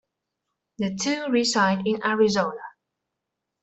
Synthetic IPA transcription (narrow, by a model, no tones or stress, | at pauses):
ðɨtʰʉɹisaɪdɪ̃nʔæɹizoʊnə